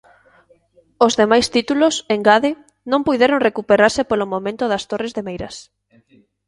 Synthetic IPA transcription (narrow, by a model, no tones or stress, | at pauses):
ozðemajst̪it̪uloseŋɡaðɪ | nõmpujðeɾoŋrekupeɾaɾsepolomõmẽnt̪oðɐst̪orezðemejɾɐs